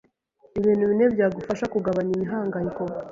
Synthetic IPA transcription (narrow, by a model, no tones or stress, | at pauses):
iβiːn̥huβine̞bjaːɡufaʃakuɡaβaɲimiɦaːŋɡajikobɡa